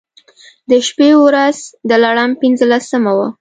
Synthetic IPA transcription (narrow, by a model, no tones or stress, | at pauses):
d̪əʃpewɾaz̥d̪əlaɽampinzəlasəmawa